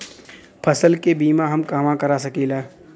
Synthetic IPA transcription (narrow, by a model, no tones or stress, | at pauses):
pʰɐsəlkebiːmãɦɐmkaːmãkɐɾasɐkiːlɛː